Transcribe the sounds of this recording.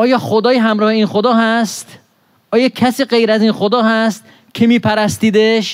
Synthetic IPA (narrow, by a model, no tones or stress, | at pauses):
ʔɒːjɒːxod̪ɒːjiɦæmɾɒːheiːnxod̪ɒːɦæst̪ | ʔɒːjɒːkʰæsiːɢejɾæziːnxod̪ɒːhæst̪̚ | cʰe̞miːpʰæɾæst̪iːd̪eʃ